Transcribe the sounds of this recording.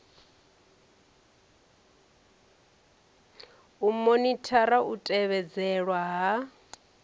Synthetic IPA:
umonitʰaɾaʔutʼɛβɛd͡zɛɺwaɦa

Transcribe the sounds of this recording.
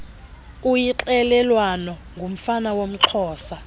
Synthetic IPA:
ujiǁɛlɛlwanɔŋɡʱum̩fanawom̩ǁʰɔːsa

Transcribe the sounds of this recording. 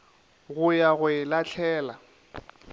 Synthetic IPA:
ɣʊjaɣʊɪlat͡ɬʰɛːla

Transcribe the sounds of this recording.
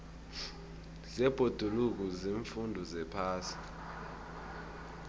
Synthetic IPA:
zɛb̥ʱod̥ʱuluk̬uziɱfundʱɔzɛpʰaːsi̥

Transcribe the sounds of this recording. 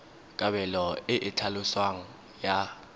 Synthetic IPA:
kʼaβɛlɔɪʔɪt͡ɬʰalʊswaŋ̩ | ja

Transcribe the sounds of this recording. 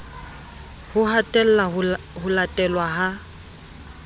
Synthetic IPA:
hʊɦatʼɛl̩ːa | hʊlatʼɛlwaɦa

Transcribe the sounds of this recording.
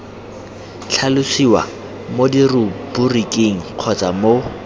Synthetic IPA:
t͡ɬʰalʊsiwa̰ | modirʊburikʼeŋ̩q͡χʰɔt͡sʼamo

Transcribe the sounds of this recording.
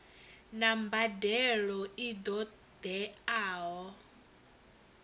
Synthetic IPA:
nambadɛɺɔid̪ɔ | d̪̥ɛaːɦɔ

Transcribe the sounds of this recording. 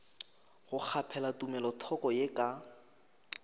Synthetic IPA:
ɣʊk͡xʰapʰɛlatʼumɛlɔtʰɔkʼɔjekʼa

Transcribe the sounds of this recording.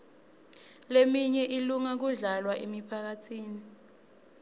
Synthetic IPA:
lemiɲɛʔiluŋak̬uɮalwaʔemipʰak̬atʰiːni

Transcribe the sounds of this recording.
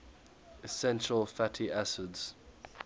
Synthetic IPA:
ɪsɛ̃nʃəlˠfatʰiʔasɪdz̥

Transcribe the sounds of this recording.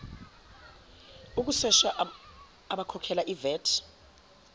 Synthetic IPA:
uk̬usɛʃaː | ɓakʰɔkʰɛlaʔivɛːtʰ

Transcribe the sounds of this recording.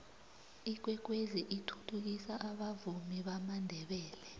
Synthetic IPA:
ik̬wɛk̬weziʔitʰutʰuk̬isaʔaɓavumiɓamandʱɛɓɛːlɛ

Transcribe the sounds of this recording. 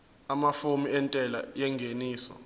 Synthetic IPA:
amafomiɛntʼɛla̰jɛŋɡʱeniːsɔ̰

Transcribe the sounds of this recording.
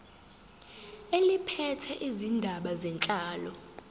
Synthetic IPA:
elipʰɛtʰɛʔizindʱaɓazɛnt͡ɬʼaːlɔ

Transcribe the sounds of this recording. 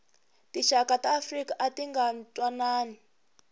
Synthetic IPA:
tiʃakataːfrikaʔatiŋɡantʼwanaːni

